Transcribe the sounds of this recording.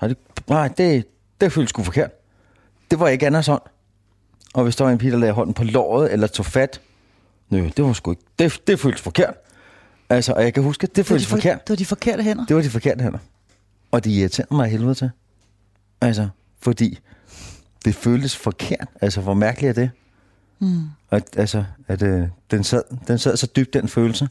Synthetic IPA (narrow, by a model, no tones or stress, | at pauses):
ɑd̥e | nɑɪ̰d̥e̝ | d̥e̝føːld̥ə̥sɡ̥ufɒ̽kʰe̝ɐd̥ | d̥e̝ʋɑ̈jɑ̈e̝ɡ̥ænɐsɒ̽n̰ | ʔɒ̽ʋe̝sd̥ɑʋɑe̝npʰḭːd̥ɐlɛːɦɒ̽n̰n̩pʰɒ̽lɒ̰ːð̞̩ˠelɐt͡sʰo̰ːfæd̥ | nød̥e̝ʋɑ̈sɡ̥ueɡ̥d̥e̝d̥e̝føːld̥ə̥sfɒ̽kʰe̝ɐ̰d̥ | ælsəʔɒ̽jɑ̈ɪkʰæɦusɡ̥əd̥e̝føːlsfɒkʰe̝ɐ̰d̥d̥ifɒkʰeɐ̰dɦen̰ɐd̥e̝ʋɑ̈d̥ifɒ̽kʰe̝ɐ̰d̥əɦen̰ɐ | ɒ̽d̥ejit͡sʰe̝ɐ̰ð̩mɑ̈ɪɦe̝ːlʋeðˠt͡sʰe̝ | ælsɐ | fɒ̽d̥ḭː | d̥e̝føːld̥əsfɒkʰe̝ɐ̰d̥ælsəʋɒmæɐɡ̥əliæd̥e̝ | æ̥ælsɒæd̥d̥ensæð̰ˠd̥ensæð̰ˠsɒ̽d̥yb̥̚d̥enføːl̩sə